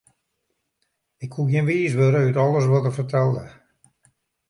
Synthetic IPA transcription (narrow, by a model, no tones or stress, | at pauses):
ɪkhuɡjɪnʋiːsʋøːɾəytɔlˠəsʋɔtərfərtʰɛlˠdə̰